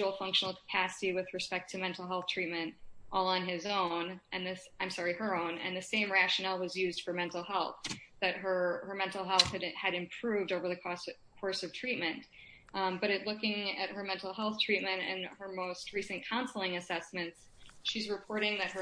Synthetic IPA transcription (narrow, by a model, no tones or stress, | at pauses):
l̩ˠfʌ̃ŋkʃn̩l̩ˠkʰə̥pʰæsɨɾiwɨðɹɨspɛk̚tʰɨmɛ̃ntˡl̩ˠɦɛlˠθtʰɹ̥it̚mɨ̃ntʔɔlˠə̃nɪzõʊ̃nʔɨ̃nðɨsãɪ̃msɑɹiə˞õʊ̃nɨ̰̃nðɨsẽɪ̃mɹæʃɨnɛl̩ˠwʌzjʉzd̥fə˞mɛ̃ntˡl̩ˠɦɛlˠθðɨt̚ə˞əmɛ̃ntˡl̩ˠɦɛlˠθhɨɾɨɾɨ̃mpʰɹ̥ʉvdoʊvə˞ðɨkʰɔkʰɔɹsʌv̥tʰɹ̥it̚mɨ̃n | bʌɾɨtˡlʊkɪ̃ŋɨt̚hə˞mɛ̃ntˡl̩ˠɦɛlˠθtʰɹ̥it̚mɨ̃ntɨ̰̃nə˞moʊst̚ɹisɨ̃nkʰãʊ̃nsl̩ˠɪ̃ŋɨsɛsmɨ̃nts | ʃizɹɨpʰɔɹɾɪ̃ŋðɨt̚hə˞